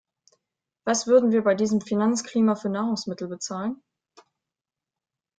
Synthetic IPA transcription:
v̥asv̥ʏɐdn̩viːɐbaɪdiːzəmfinant͡skl̥iːmafyːɐnaːʁʊŋsmɪtl̩bət͡saːlən

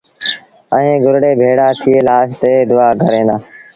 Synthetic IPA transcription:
ə̃ẽːɡʊɾɽeːbʱeːɽaːt̪ʰɪeːlaːst̪eːd̪ʊaːkəɾẽːnd̪aː

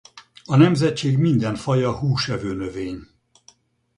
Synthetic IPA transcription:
ɒnɛmzɛt̪t͡ʃeːɡmind̪ɛɱfɒjɒhuːʃɛvøːnøveːɲ

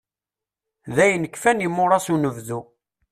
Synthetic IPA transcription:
ðæjənəkːfænimːʊɾˤɑsunəvðu

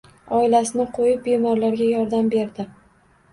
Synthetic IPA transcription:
ɒɪlasɪnɪqʰojɪp̚be̞mɒɾlaɾɡʲajɒɾd̪ambe̞ɾd̪ɪ

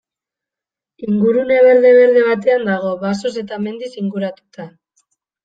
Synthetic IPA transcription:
iŋɡuɾune̞βe̞ɾðe̞βe̞ɾðe̞βat̪e̞and̪aɣ̞o̞βaso̞s̬e̞t̪ame̞nd̪isiŋɡuɾat̪u̥t̪a

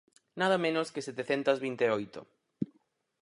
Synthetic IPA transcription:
nað̞ɐmẽnʊskeset̪eθent̪ɐzβint̪eojt̪o̰

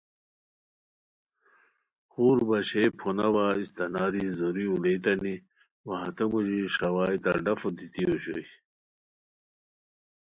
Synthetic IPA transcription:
xuːɾbɐɕejpʰonɐwaist̪ɐnaːɾizoɾiulejt̪ɐni | wɐɦɐt̪ɐmuʑiʂɐwaːjt̪ɐɖɐfod̪it̪ioɕo̰j

